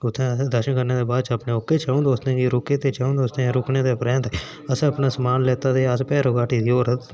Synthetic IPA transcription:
ʊt̪ʰːẽːd̪əɾʃənkəɾneːd̪eːbaːd̪t͡ʃəpneːʊkːeːt͡ʃaːõd̪oːst̪ẽːiɾʊkeːt̪eːt͡ʃaːõd̪oːst̪ẽɾʊkneːt̪eːpɾɛ̃ːnt̪ | əsẽəpnaːsəmaːnleːt̪aːd̪eːəspɛːɾoɡaːʈiːd̪ioːɾət̪

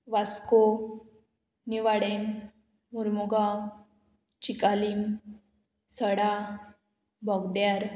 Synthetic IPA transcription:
ʋasko | niʋaɽemː | uɾmuɡa | t͡ɕikalim | səɽa | bʱɔɡd̪jaɾ

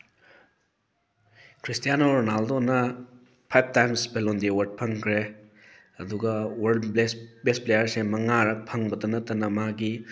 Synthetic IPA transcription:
kʰɾistijanonaldonɐ | pʰajb̚tajmsbelondiwɐɾd̚pʰɐŋkʰɾe | ɐduɡɐwɐɾdbesbesplejɐɾsemɐŋaɾɐk̚pʰɐŋbɐdɐnɐtːɐnɐmaɡi

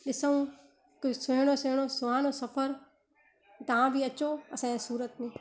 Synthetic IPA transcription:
ɗɪsəũ | kʊsʊɦɽ̃osʊɦɽ̃osʊaːnosɐfəɾ | t̪ɐãbʱiɐt͡ʃoɐsãsuːɾət̪mĩː

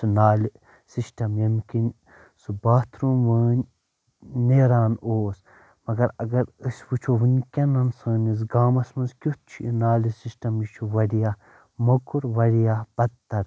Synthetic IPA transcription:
sunaːli | sisʈɐmjɐmkin | subaːt̪ʰɾũʋəːnː | eɾaːnoːs | mɐɡɐɾɐɡɐɾɨsʲʋut͡ʃʰoʋɨnʲkʲɐnɐnsɐːnis̬ɡaːmɐsmɐnskʲut̪̚t͡ʃʰiinaːlisisʈɐmjit͡ʃʰuʋɐɽijaː | mɐkuɾʋɐɽijab̥ɐd̪t̪ɐɾ

